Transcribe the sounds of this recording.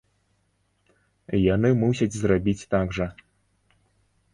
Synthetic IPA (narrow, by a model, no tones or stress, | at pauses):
janɨmusʲɐt͡sʲzrabʲit͡sʲt̪aɡʐɐ